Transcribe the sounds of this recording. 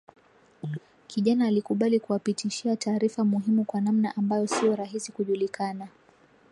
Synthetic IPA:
kʰiʄanaːlikuɓalikuwapitʰiʃiataːɾifamuɦimukwanam̩naʔambajɔsiɔɾaɦisikuʄulikana

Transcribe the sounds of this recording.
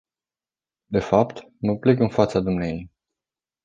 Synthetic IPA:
d̪e̞fapt̪ | məple̞kɨnfat̪sad̪umnejej

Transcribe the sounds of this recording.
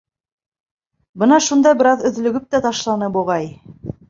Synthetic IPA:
bɤnɑʃund̪ɑjbɘ̆ɾɑðɵ̆ðlɵ̆ɡɘp̚t̪æt̪ɑʃlˠɑnɤboʁɑj

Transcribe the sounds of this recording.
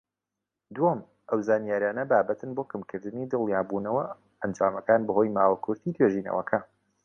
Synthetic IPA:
d̪uwom | ʔɐwzaːnijaːɾijaːnɐbaːbɐt̪ʰɨnboːkɨmkʰɨɾd̪ɨnid̪ɨlˠjaːbuːnɐwɐ | ɐnd͡ʒaːmɐkaːnbɨho̞ːjmaːwɐkʰʊɾt̪ʰid̪weʒinɐ̰wɐkʰɐ

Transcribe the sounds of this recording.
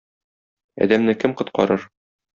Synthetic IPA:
ɒ̰d̪æmnɘkɘmqŏt̪qɒ̰ɾɤɾ

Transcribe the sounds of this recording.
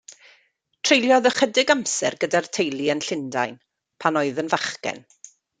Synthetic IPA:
tʰr̥ejlˠjɔðəχədɪɡamsɛrɡədartʰejlˠiənɬɪndajn | pʰanɔɨðənvaχkɛ̰n

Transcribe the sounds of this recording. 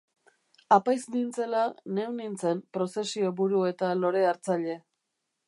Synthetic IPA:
apajznint͡se̞lane̞wnint͡se̞mpɾo̞se̞sio̞βuɾue̞t̪alo̞ɾe̞aɾt͡saʎe̞

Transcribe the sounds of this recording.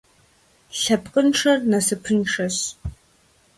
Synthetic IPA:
ɬɐpqʼənʂɐrnɐsɨpʰɨnʂɐɕ

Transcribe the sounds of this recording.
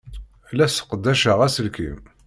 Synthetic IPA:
læsə̥qd̪ːæʃəʁæsəlkḭm

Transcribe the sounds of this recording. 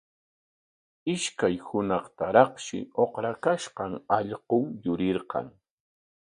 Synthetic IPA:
ɪʃkajhʊnɑχt̪aɾɑχʃɪ̰oχɾakaʃqɑŋɑʎqoŋjʊɾɪɾqɑ̰ŋ

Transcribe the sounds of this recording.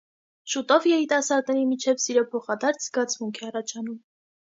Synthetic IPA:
ʃut̪ɔvjɛɾit̪ɑsɑɾd̪nɛɾimit͡ʃʰɛvsiɾɔpʰɔχɑd̪ɑɾt͡sʰzɡɑt͡sʰmuŋkʰɛɑrɑt͡ʃʰɑnum

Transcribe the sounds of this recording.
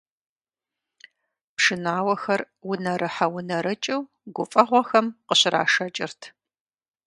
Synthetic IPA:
pʂɨnaːwɐxɐr | wʊnɐɾɨħaɐwʊnɐɾɨt͡ʃʼɪw | ɡʷʊpfʼɐʁʷɔxɐmqəɕɪra̰ːʂɐt͡ʃʼɪrtʰ

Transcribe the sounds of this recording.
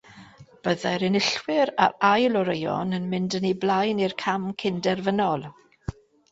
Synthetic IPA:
b̥əðɛɾɪnɪɬwɪɾa̰ɾajlˠɔɾejɔ̰nənmɪndəniblˠajnirkʰamkʰɪndɛrvənɔlˠ

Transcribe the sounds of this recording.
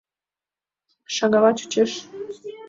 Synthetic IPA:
ʃɑŋɑlɑt͡ɕu̥t͡ɕeʃ

